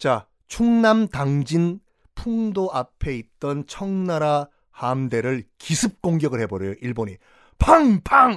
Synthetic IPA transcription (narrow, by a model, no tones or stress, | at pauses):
t͡ɕa | t͡ɕʰuŋnamtaŋd͡ʑin | pʰuŋdoʔapʰe̞it̚t͈ʌnt͡ɕʰʌŋnaɾa | hamde̞ɾɯɭkisʰɯp̚k͈oŋɡjʌɡɯɭhe̞boɾjjoʔiɭboɲi | pʰaŋpʰaŋ